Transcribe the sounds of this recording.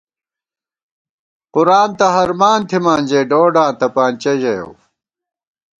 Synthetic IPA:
quɾaːnt̪ɐɦɐɾmaːnt̪ʰimaːnʲd͡ʑeːɖoːɖaːnt̪ɐpaːnt͡ɕɐʑɐjo̰w

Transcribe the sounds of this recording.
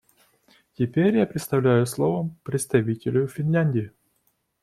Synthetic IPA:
tʲɪpʲeɾʲjapɾʲɪt̪st̪ɐvlʲæjʊslˠovəmpɾʲɪt̪st̪ɐvʲitʲɪlʲʊfʲɪnlʲænʲdʲɪɪ

